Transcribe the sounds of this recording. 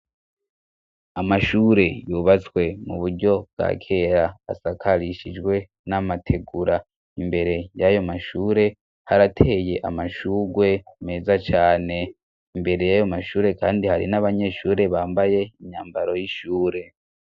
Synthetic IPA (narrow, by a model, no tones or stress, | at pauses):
amaʃuːɾe̞juːβat͡swe̞muβuɾɟo̞b̚ɡa̰kʰe̞ːɾa̰ːsakʰaɾiʃid͡ʒɡwe̞ | namatʰe̞ɡuɾa | imbe̞ɾe̞jajo̞maʃuːɾe̞ | haɾatʰe̞ːje̞ʔa̰maʃuːɡwe̞ume̞ːzat͡ʃaːne̞ | imbe̞ɾe̞jajo̞maʃuːɾe̞kaːndihaɾḭnaβaɲe̞ʃuːɾe̞βaːmbaje̞iɲaːmbaɾo̞jiʃuːɾe̞